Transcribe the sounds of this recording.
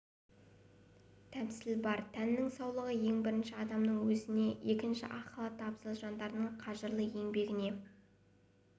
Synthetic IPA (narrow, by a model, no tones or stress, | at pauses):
t̪ʰæpsɪlbɑɾt̪ʰænːɪŋsɑwlˠəʁəje̞ŋbɪɾɪnʃɪɑd̪ɑmnəɴwɵzɪne̞je̞kʲɪnʃɪ̰ʔɑqɑlˠɑt̪ʰːɑpsəlˠʒɑnd̪ɑɾənəɴqʰɑʒəɾlˠəe̞ŋbe̞ɡʲɪne̞